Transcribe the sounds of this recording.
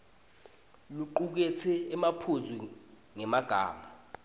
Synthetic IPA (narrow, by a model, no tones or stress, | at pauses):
luǃuk̬ɛt͡sʰɛːmapʰuzʱi | ŋɛmaɡ̥ʱa̰ːma